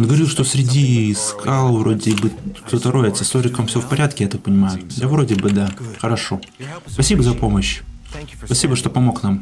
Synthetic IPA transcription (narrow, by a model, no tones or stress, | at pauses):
onɡəvɐɾʲilˠʂt̪osʲɾʲɪdʲiskʰalˠvɾo̞dʲɪbɨkt̪ot̪əɾoɪt̪səst̪oɾʲɪkəmfsʲɪvofpɐɾʲat̪̚kʲɪjat̪ak̚pənʲɪmajʊd̪avɾo̞dʲɪbɨd̪axəɾɐʂo̞ | spɐsʲibəzɐpo̞məɕ | spɐsʲibəʂt̪o̞pɐmo̞knam